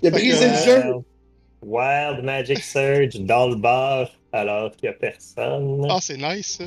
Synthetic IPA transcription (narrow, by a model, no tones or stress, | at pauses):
jabʁizezə | waɪld̪mad͡ʒɪksɜ˞d͡ʒd̪ɑ̃ləbɑʁ | alɔːʁkjapɛʁsɔ̰nasɛnaɪs